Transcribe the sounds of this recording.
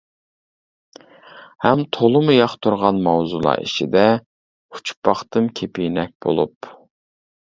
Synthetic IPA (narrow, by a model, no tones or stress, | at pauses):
hɛmt̪ʰolˠɨmujɑχt̪ʰuɾʁɑnmɑwzulˠɑ̰ːḭʃḭd̪ɛ | u̥t͡ʃʰpɑχt̪ɨmkʲʰepʰijnɛk̚ʲb̥o̰lˠup